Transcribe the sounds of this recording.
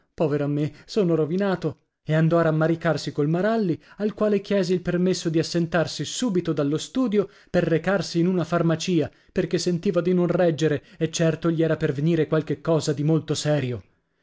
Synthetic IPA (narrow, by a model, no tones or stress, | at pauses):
pɔːveɾoamːesoːnoɾovinaːt̪o | eand̪ɔaɾamːaɾikarsikolmaɾalːialkwaːlek̟jɛːzeilpermesːod̪iasːent̪arsisuːbit̪od̪alːost̪uːd̪jo | perːekarsiːnunafarmat͡ʃiːa | perkesːent̪iːvad̪inõnrɛd͡ʒːeɾeet͡ʃːɛrt̪oʎiɛːɾaperveniːɾekwalkekːɔːzad̪imolt̪osɛːɾjo